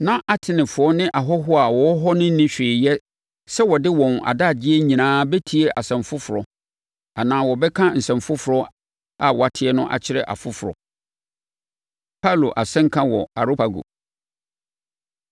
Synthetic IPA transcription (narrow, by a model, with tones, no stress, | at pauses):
nã˦ʔa˦tʰɪ˨nɪ̃˨fʊ˨ɔ˦nɪ̃˦ʔa˨ɦɔ˦ɦʊ˦a˨wɔ˦ɦɔ˦nɪ̃˦nɪ̃˦ɕᶣeː˨jɛ˦ | sɛ˦wɔ˨dɪ˦wɔ̃˨na̰˨da˦˨d͡ʑɪ˦e˦ɲĩ˨nãː˦bɛ˦tʰi˦e˦ʔa˨sɛ̃˨mfʊ˦fʊ˨ɾɔ˨ | a˨nãː˨˦wɔ˨bɛ˦kʰã˦n̩˨sɛ̃˨mfʊ˦fʊ˨ɾɔ˦ | a˨wɔ˨a˨tʰɪ˦ɛ˦nʊ̃˦ʔa̰˨t͡ɕʰɪ˦ɾɛ̰˨ʔa̰˨fʊ˦fʊ˨ɾɔ̰˨ | pʰa˦˨lo˨ʔa˨sɛ̃˦ŋ̩˦kʰã˦wɔ˨a˨ɾo˦pa˨ɡo̰˨